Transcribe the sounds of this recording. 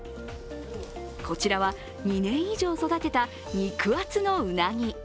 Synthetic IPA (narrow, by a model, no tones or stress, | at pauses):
kʰo̞t͡ɕiɾaβa | ɲ̟inẽ̞ɰ̃iʑo̞ːso̞d̪at̪e̞t̪a | ɲ̟ikɯ̟βat͡sɨno̞ɯ̟naɲ̟i